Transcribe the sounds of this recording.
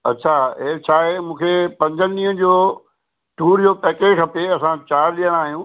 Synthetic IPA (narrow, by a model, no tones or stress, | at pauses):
ɐ̰tːɕʰaːet͡ɕʰaːɦemũːkʰepɐ̃ɲd͡ʑʱənĩːɦə̃d͡ʑoː | ʈuːɾd͡ʑoːpɛːkekʰɐpeɐsãt͡ɕaːɾɗijə̃ɽ̃aːɦijũː